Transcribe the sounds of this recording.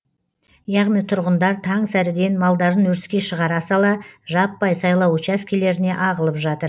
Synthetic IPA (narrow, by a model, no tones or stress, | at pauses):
jɑʁnijt̪ʰʊɾʁənd̪ɑɾt̪ʰɑŋsæɾɪd̪e̞nmɑlˠd̪ɑɾənwɵɾskʲe̞ʃəʁɑɾɑsɑlˠɑʒɑpːɑjsɑjlˠɑwʊt͡ʃæskʲʰele̞ɾɪne̞ʔɑʁəlˠəpʒɑt̪əɾ